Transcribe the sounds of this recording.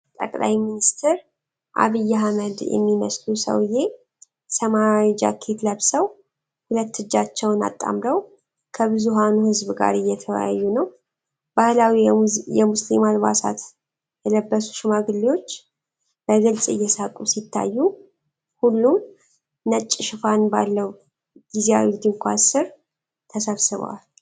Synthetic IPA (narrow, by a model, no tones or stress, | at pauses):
t̪ʼə̰kʼla̰jminist̪ʰɨɾ | ʔa̰βɨjːaɦaməd̪jɛ̰mːimə̰slusə̰wɨje̞ | səmad͡ʒa̰kʰːe̞t̪ləβsəw | hulət̪ːɨd͡ʒːat͡ʃːɛwna̰t̪ʼːa̰mɾəw | kʰəβɨzuɦanuhɨzbɨɡa̰ɾɨjːɛt̪ʰəw̰ja̰jːunəw | b̥ahlawijɛmuslimalbasa̰t̪ | jɛləbːəsu̥ʃɪmaɡɨlːiwo̞t͡ʃː | bəɡɨlsʼɨ̰jːɛsakʼusit̪ʰːa̰jːu | hulːum | nət͡ʃʼːɪʃɪfanbalːəw | d̪̥izia̰wiɡd̪iŋkʷʰasɨɾ | t̪ʰəsəβsɨβ̰wa̰l